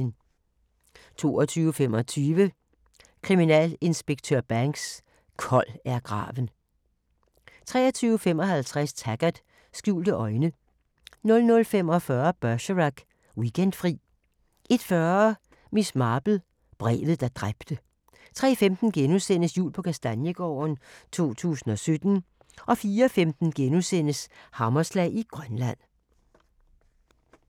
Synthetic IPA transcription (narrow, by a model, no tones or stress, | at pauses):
n | t͡sʰo̝̰ːɒt͡sʰyːʊəfem̰ɒ̽t͡sʰyːʋə | kʰʁiminɛ̰ːle̝nsb̥eɡ̥̚t͡sʰøɐb̥æŋɡ̥s | kʰɒ̽læɐɡ̥ʁɑ̰̈ːʋən̩ | t͡sʰʁɛ̰ːɐt͡sʰyːʊəfem̰ɒ̽ɦælt͡sʰʁast͡sʰæɡ̥æd̥ | sɡ̥jṵːld̥əʔɒ̽ɪnə | nɔ̽lnɔ̽lfemɒ̽fɶɐb̥ɶɕəʁaɡ̥ | wiɡ̥end̥fʁḭː | ʔe̝d̥fɶɐɐɐ | mismɑ̈ːb̥l̩ | b̥ʁɛ̰ːðð̩ˠd̥ɑ̈d̥ʁab̥d̥ə | t͡sʰʁɛ̰ːfemd̥n̩ɡ̥enusen̰əsjṵːlpʰɒ̽kʰæsd̥ænjəɡ̥ɒ̰ːnt͡sʰo̝̰ːt͡sʰṵːsn̩ɒ̽sød̥n̩ | ʔɒ̽fiːɐɒfemd̥n̩ɡ̥enusen̰əshɑ̈mɐslɛ̰ɪiɡ̥ʁɶnlæn̰